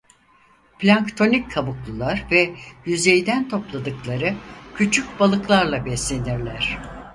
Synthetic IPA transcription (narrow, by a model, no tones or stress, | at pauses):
plʲaŋkt̪ʰo̞nicʰːabuklˠulˠaɾvɛjyzejd̪ænt̪ʰo̞plˠad̪ɯklˠaɾɯcʰyt͡ʃʰyc̚balˠɯklˠaɾlˠabɛslʲe̞niɾlʲæɾ̝̥